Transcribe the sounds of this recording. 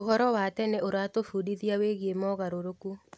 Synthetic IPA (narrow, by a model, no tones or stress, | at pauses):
ohɔɾɔwaːtɛneoɾatofuːdiðiaweɣiemɔːɣaɾoɾoku